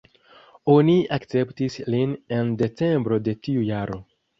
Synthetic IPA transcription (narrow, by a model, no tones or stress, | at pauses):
o̞niakt͡se̞ptisline̞nde̞t͡se̞mbɾo̞de̞tiujaɾo̞̰